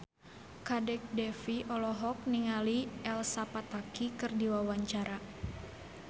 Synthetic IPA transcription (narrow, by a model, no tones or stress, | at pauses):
kadɛk̚dɛfiʔɔlɔɦɔk̚niŋaliɛlsapat̪akikɨrdiwawaɲt͡ʃaɾa